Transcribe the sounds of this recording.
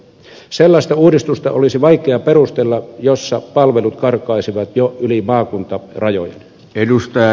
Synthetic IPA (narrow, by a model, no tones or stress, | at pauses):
selːɑst̪ɑuːdist̪ust̪ɑ̰ʔolisiʋɑikˑeɑperust̪elːɑjosːɑpɑlʋelut̪kɑrkˑɑisiʋɑt̪joʔylimɑːkunt̪ɑrɑjo̰jḛn | edust̪ɑjɑ